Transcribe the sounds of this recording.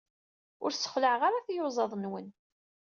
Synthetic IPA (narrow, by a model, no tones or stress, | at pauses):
ʊɾsə̥χləʕʁaɾaθjʊzˤɑðˤnwən